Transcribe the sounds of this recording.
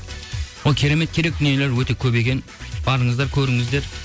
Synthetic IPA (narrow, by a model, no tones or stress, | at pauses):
wolˠkʲʰeɾe̞me̞t̪̚kʲʰe̞ɾe̞k̚d̪ʏnije̞le̞ɾwɵt̪e̞kʲʰɵbe̞kʲe̞n | b̥ɑɾəɴəzd̪ɑɾkʲʰɵɾɪŋɪzd̪e̞ɾ